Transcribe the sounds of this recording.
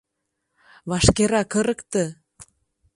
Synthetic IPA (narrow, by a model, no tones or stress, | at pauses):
βɑʃkeɾɑkə̆ɾə̆kt̪ə̆